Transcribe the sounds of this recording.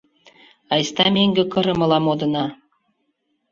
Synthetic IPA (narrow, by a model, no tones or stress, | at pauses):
ɑjst̪ɑmʲeŋɡʲĕkɤ̆ɾɤ̆mɤ̆lˠɑmod̪ɤ̆nɑ